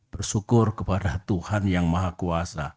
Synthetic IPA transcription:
b̥ərsukʊrkəpadat̪uhanjaŋmaɦakuasa

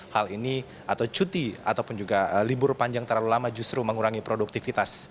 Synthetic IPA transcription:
halini | ʔat̪awt͡ʃut̪iat̪awpʊnd͡ʒuɡalibʊrpaɲd͡ʒaŋt̪ərlalulamad͡ʒust̪ɾuməŋuɾaŋipɾoduk̚t̪ifit̪as

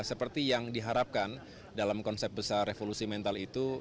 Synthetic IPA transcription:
səpərt̪ijaŋdiɦaɾap̚kan | dalamkɔnsɛp̚bəsarːefolusimɛnt̪alit̪u

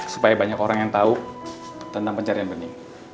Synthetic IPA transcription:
su̥pajabaɲakoɾaŋjaŋt̪au | t̪ənt̪aŋpəɲt͡ʃaɾianbəniŋ

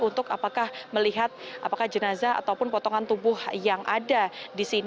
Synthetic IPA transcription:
unt̪ʊkapakahməliɦat̪̚ʔapakahd͡ʒənazaa̰t̪awpʊnpɔt̪ɔŋant̪ubʊhjaŋʔadadisin

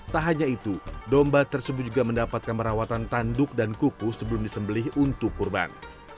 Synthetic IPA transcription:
t̪aɦaɲait̪udɔmbat̪ərsəbʊt̪̚d͡ʒuɡaməndapat̪̚kanpəɾawat̪ant̪andʊk̚dankukʊsəbəlʊmdisəmbəlɪhunt̪ʊkːurba̰n

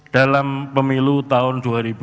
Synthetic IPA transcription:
d̥alampəmilut̪aʊnduaɾibu

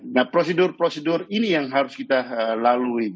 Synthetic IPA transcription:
nahpɾosedʊrpɾosedʊrinijaŋɦaɾʊskit̪aəlalui

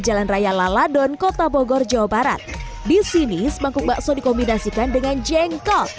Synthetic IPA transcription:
d͡ʒalanrajalaladɔnkot̪abɔɡɔrd͡ʒawabaɾa̰t̪̚ | disinisəbaŋkʊk̚baʔsɔdikɔmbinasikandəŋand͡ʒɛŋkɔ

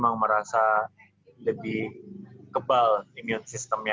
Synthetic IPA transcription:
maŋməɾasa | ləbɪhkəbaliniʊnsist̪əmja

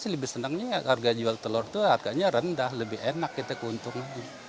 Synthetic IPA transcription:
siləbɪhsənəŋɲakarɡad͡ʒualt̪əlɔrt̪uarɡaɲaɾəndahləbɪhenakːit̪akəunt̪ʊŋlaɡi

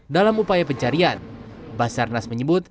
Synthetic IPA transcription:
dalamupajapəɲt͡ʃaɾianbasarnasməɲəbʊt̪̚

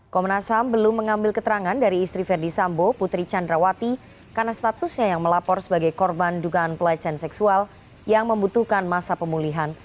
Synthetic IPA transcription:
kɔmənasambəlʊmːəŋambɪlkət̪əɾaŋandaɾiːst̪ɾifɛrdisamboput̪ɾit͡ʃandɾawat̪i | karnast̪at̪ʊsɲajaŋməlapɔrsəbaɡajkɔrbanduɡaːnpəlat͡ʃansɛksual | jaŋməmbut̪uhkanmasapəmuliɦan

